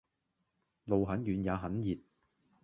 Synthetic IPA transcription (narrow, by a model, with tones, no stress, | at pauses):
lo˨wɦɐ˨˥njyː˨˧njaː˨˧ɦɐ˨˥njiː˨t̚